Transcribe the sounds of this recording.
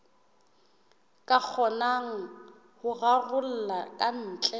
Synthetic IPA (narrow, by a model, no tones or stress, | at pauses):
kʼak͡xʰɔnaŋ̩ | hʊɣarʊl̩lakʼan̩ːt͡ɬʼɛ